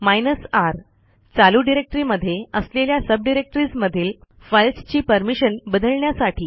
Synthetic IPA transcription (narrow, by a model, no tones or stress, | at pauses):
majnəsaɾ | t͡saluɖiɾek̚ʈɾiːməd̪ʱːjeəsleljasəb̚ɖiɾek̚ʈɾiːsməd̪ʱiːl | fəjlst͡ɕiːpəɾmiɕənbəd̪ʱəlɳjasaʈʰiː